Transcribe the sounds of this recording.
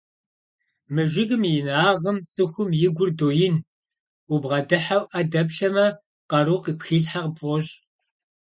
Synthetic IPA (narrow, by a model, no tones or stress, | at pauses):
mɨʒɪɣɨmjɪnaːʁəmt͡sʼɨxʷʊmjɪɡʷʊrdoːjɪn | ubʁɐdɨħawʔɐdɐpɬɐmɐ | qɐɾuqipxiːɬħaqpfʼɔɕʼ